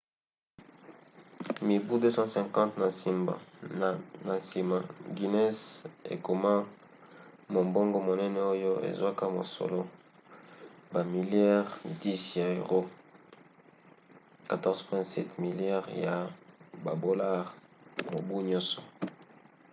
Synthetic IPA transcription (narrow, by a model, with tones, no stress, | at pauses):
mi˨bu˦de˦sɑ̃˦sɛ̃˨ŋkɑ̃˦tna˨si˨mba̰˨ | na˨si˨ma˨ɡi˨nɛ˦zḛ˨ko˨ma˦ | mo˨mbo˦ŋɡo˦mo˨nɛ˦nɛ˦o˦jo˦ḛ˨zwa˦ka˦mo̰˨so̰˨lo˦ | ba˨mi˨ljɛ˦ʁdi˦sja˨e˨ʁo˦ | ka˨tɔ˦ʁz̥pwɛ̃˦sɛ˦tmi˨ljɛ˦ʁja˨ba˨bo˦la˦ʁmo˨bu˦ɲɔ̃˦sɔ̥˨